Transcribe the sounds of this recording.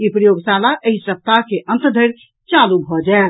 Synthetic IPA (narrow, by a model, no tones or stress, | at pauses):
ipɾəjoɡsalaʔəɦisəp̚t̪akeʔə̃nt̪d̪ʱəɾ | t͡ʃalubʱɔd͡ʒael